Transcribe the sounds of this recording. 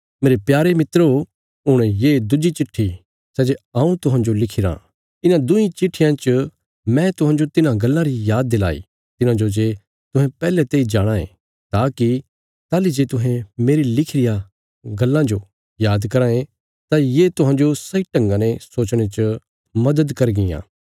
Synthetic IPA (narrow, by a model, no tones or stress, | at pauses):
meːɾepjaːɾemɪt̪ɾ | ɦʊɽ̃ejeːd̪ʊd͡ʒit͡ʃɪʈʰːi | sɛːd͡ʒeaːũt̪ʊɦãːɲd͡ʒolɪkʰɪɾã̰ | ɪnãd̪ʊĩt͡ʃɪʈʰːɪjãt͡ʃə | mɛ̃t̪ʊɦãːɲd͡ʒot̪ɪnãɡɐlːãɾijaːd̪̚ːela̰ːḭ | t̪ɪnãd͡ʒod͡ʒeː | t̪ʊɦɛ̃pɛːlɛt̪eːid͡ʒaːɽ̃ãḛ̃ | t̪aːki | t̪aːlid͡ʒeːt̪ʊɦɛ̃meːɾilɪkʰɪɾɪja | ɡɐlːãd͡ʒo | jaːd̪kɐɾãːẽ | t̪ajeːt̪ʊɦãːnd͡ʒosɐiʈɐ̃ŋɡãnesoːt͡ʃɽ̃et͡ʃə | mɐd̪əd̪kɐɾɡɪjã̰ː